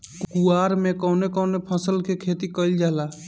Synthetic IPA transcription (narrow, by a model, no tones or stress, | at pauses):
kkuaɾmekɔːnekɔːnepʰə̃səlkekʰet̪ikəɪld͡ʒaɦla